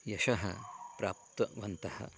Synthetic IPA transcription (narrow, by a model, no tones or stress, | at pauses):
jɐʃɐɦɐ̰pɾa̰ːp̚t̪ɐʋɐnt̪ɐhɐ̰